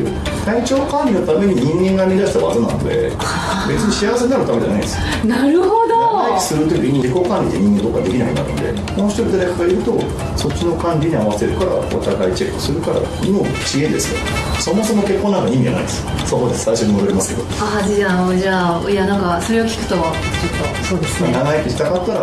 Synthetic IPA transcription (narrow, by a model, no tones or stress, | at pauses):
t̪ait͡ɕo̞ːokãnʲɾʲino̞t̪ame̞ɲ̟iɲĩŋɡẽ̞ŋɡamʲid̪aɕi̥t̪aβa̰zonã̰no̰d̪e̞̰ | be̞t͡sɨɲ̟iɕiaβas̬e̞naɾɯt̪ame̞ea̰nã̰ĩnd̪esɨ | naɾɯ̟hod̪ot͡ɕekːɯ̥sɨɾɯt̪ːokʲiiimoɾiko̞ːkãnɾʲid̪eɲ̟ĩŋɡe̞nt̪okːɡad̪e̞kʲinaḭnːa̰ɾɯ̟nd̪e | mooçi̥t̪oɾit̪et̪akaɡaiɾɯ̟t̪o̞ | so̞t͡ɕːino̞kãnɾʲiɲ̟iaβ̞ase̞ɾɯ̟kaɾa̰o̰t̪aɡait͡ɕe̞kːɯ̟̥sɨɾɯ̟kaɾa̰imo̥ | ɕiɡẽ̞nd̪e̞sɨo | so̞mo̞so̞moke̞kːonːaŋkaɲʲĩmʲːiɡa̰a̰ḭ̃d̪e̞sɨ̥soɦod̪esaiɕo̞ɲ̟imo̞d̪o̞ɾemasɨ̥ke̞d̪oad͡ʑaːoʑaːjanãŋkaso̞ɾe̞okʲi̥kɯ̟̥t̪oβa | t͡ɕot̪ːosoːd̪esɨnnaɡait̪ːeɕi̥t̪akat̪ːaɾa